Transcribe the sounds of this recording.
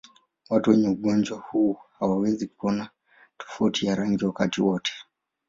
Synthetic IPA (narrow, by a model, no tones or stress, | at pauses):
watuwɛɲɛuɠɔnd͡ʒwahuhawawɛzikuɔna | tʰɔ̥fautʰiaɾaŋɡiwakatiwɔtʰɛ̥